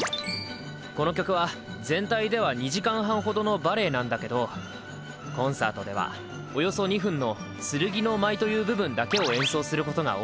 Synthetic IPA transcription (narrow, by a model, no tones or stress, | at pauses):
ko̞no̞kʲo̞kɯ̟βa | zẽ̞nt̪aid̪e̞βaɲ̟iʑikãɰ̃ɦãɰ̃ɦo̞d̪o̞no̞baɾe̞ːnãnd̪ake̞d̪o̞ | kõ̞ɰ̃sa̰ːt̪o̞d̪e̞̰βa̰ | ojo̞so̞ɲ̟iɸɯ̟̃nːo̞ | sɨɾɯ̟ɡʲino̞mait̪o̞jɯ̟ːbɯ̟bɯ̟̃nd̪ake̞o̞ẽ̞ɰ̃so̞ːsɨɾɯ̟ko̞t̪o̞ɡa̰o